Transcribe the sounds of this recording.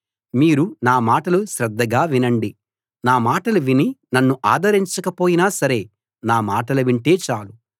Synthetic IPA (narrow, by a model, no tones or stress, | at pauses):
miːɾunaːmaːʈɐluʃɾɐd̪ːɐɡaːʋinɐɳɖi | naːmaːʈɐluʋininɐnːuʔa̰ːd̪ɐɾiɲt͡ʃɐkɐpoːjinaːsɐɾe̞ː | naːmaːʈɐlɐʋiɳʈe̞ːt͡ʃaːlu